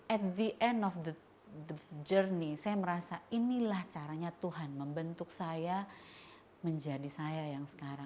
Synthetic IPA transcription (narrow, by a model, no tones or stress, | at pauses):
ʔɛt̪̚d̪iʔɛndɔfd̪ə | dəd͡ʒərnisajaməɾasainilaht͡ʃaɾaɲat̪uɦanməmbənt̪ʊk̚saja | məɲd͡ʒadisajajaŋsə̥kaɾaŋ